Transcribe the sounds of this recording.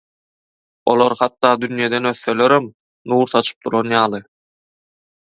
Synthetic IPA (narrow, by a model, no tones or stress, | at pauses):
o̞̰lˠoɾhɑt̪ːɑːd̪ynjed̪enø̞θːø̞lø̞ɾem | nuːɾθɑt͡ʃʰɯ̥p̚d̪ʰuɾonjɑːlˠɯ